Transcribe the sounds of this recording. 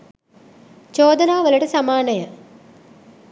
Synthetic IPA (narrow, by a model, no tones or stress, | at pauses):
t͡ʃoːd̪ɐnaːʋɐlɐʈɐsɐmaːnɐjə